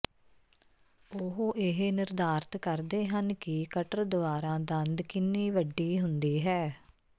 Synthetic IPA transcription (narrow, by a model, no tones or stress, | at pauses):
ʊɦoːʔɪɦenɪɾd̪aːɾt̪kəɾd̪eːɦənkɪkəʈəɾd̪ʊʋaːɾãːd̪ə̃nd̪kɪnːiːʋəɖːiːɦʊnd̪iːɦɛː